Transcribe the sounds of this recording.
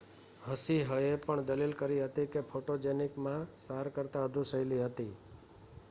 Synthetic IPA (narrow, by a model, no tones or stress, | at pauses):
ɦəsiɦəepəɳd̪əlilkəɾiɦət̪ikepʰoʈod͡ʒenikmãsaɾkəɾt̪aəd̪ʱũsəjliɦət̪i